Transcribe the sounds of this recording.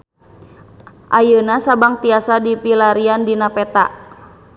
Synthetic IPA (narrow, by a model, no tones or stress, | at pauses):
ʔajənasabaŋt̪iasadipilaɾiandinapɛt̪a̰ʔ